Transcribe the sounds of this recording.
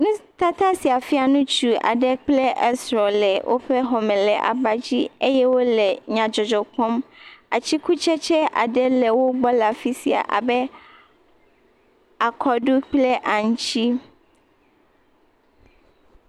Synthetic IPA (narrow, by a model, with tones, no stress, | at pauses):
nũ˦t̪a˦t̪a˦si˨a˨fi˦a˨nũ˦t͡ʃu˨a̰˨ɖɛ˦k͡plɛ˦ʔɛ˦sɾɔ˨lɛ˨wʔo̰˦ɸɛ˦ɦɔ˨mɛ̃˨lɛ˨ʔa̰˨ba˨d͡ʑi˦e˦jɛ˦wo˦lɛ˨ɲã˨d͡ʒɔ˨d͡ʒɔ˨kɔ˦ma˨t͡ɕi˦ku˦t͡ʃɛ˦t͡ʃɛ˦ʔa̰˨ɖɛ˦lɛ˨wo˦ɡ͡bɔ˦la˨fi˦si˨a̰˨ʔa̰˨bɛ˦ | a˨kʰɔ˨ɖu˦k͡plɛ˦ʔa˨ŋ̩̃˦t͡ɕi˦